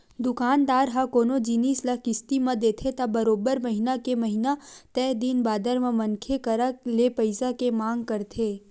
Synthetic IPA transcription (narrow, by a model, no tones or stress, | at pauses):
d̪ʊkaːnd̪aːɾɦakoːnod͡ʒiniːslɐkɪst̪imɐ̃d̪eːt̪ʰet̪ɐbɐɾoːbəɾmɐɦɪnakemɐɦɪnat̪ɛːɦd̪inbaːd̪əɾmẽmɐnkʰekɐɾalepɐɪsakemãːŋɡ̚kɐɾt̪ʰeː